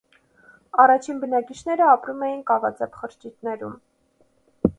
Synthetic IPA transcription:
ɑrɑt͡ʃʰinbənɑkit͡ʃʰn̪ɛɾəɑpɾumɛjinkɑvɑt͡sɛpχəɾt͡ʃit̪nɛɾum

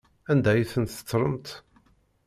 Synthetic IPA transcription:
ænd̪æjiθənt̪ə̥t͡sːɾˤəmt̪

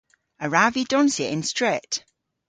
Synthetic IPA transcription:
əɹavidɔ̃nsjəʔɪ̃nstɹ̥ɛt

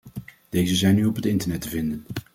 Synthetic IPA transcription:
d̥ejzəzɛjnyɔpɦətɪntəɹnɛtəvɪndən

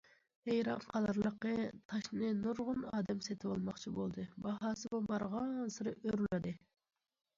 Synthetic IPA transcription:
hejɾɑmqʰɑlˠɑɾlˠəqːət̪ʰɑʃnɨnuɾʁʊnɑːd̪ɛmset̪ʰɪwɑlˠmɑχt͡ʃʰibolˠd̪ɨbɑɦɑːsɨbobɑɾʁɑnsɨɾɨʔøɾlɪd̪ɨ

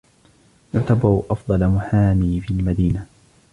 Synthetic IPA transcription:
jʊʕt̪abɑɾʊʔɑfd̪ˤɑlamʊħaːmiːfilmad̪iːna

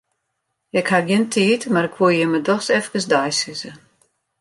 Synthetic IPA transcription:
jɛkhaɡjəntʰiːtmaɾɪkʰʋuəjəmədɔxsɛfkəsdajsɪzə

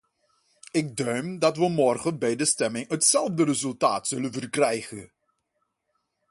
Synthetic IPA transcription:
ɪɡ̚dœɥmdɑtʋəmɔrχənbɛjdəstɛmɪŋɦətsɛlˠvdəɾəzɵlˠta̰ːtsɵlənvərkrɛjχə̰n

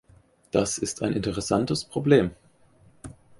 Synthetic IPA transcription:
d̥asɪstaɪnɪntəʁ̞ɛsantəspʁ̥obleːm

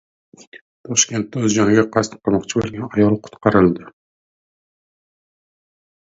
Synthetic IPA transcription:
t̪ʰɒʃkʲe̞nt̪ːɵzd͡ʒɒnɪɡʲaqʰɑst̪ɨ̥qʰɑmɒqt͡ʃʰɪbolˠɡʲanɑjɒlˠqʰʊ̥t̪qɑɾɪlˠd̪ɪ

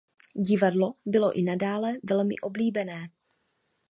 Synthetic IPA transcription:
ɟɪvadlobɪlo̞̰ʔɪnadaːlɛvɛlmɪ̰ʔo̞bliːbɛnɛː

